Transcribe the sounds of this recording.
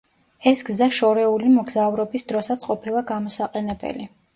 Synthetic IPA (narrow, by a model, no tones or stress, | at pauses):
ɛsɡzaʃɔɾɛulimɔɡzavɾɔbisd̪ɾɔsat̪sʰqʼɔpʰilˠaɡamɔsaqʼɛnɛbɛ̰li